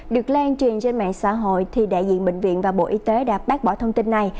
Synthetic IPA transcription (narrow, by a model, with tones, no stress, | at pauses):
ɗɨ˨˩ək̚laː˧nt͡ɕwi˨˩ənt͡ɕe˧nma̰ː˧˨ŋsa̰ː˧˥ɦo̰˧˨jt̪ʰi˨˩ɗa̰ː˧˨jzḭ˧˨ənɓḭ˧˨ŋ̟vḭ˧˨ənvaː˨˩ɓo̰˧˨ʔi˨˦t̪e˨˦ɗaː˨˥˩p̚ɓaː˦˥k̚ɓɔ˧˩t̪ʰə˧wŋ͡mt̪i˧nːa˨˩j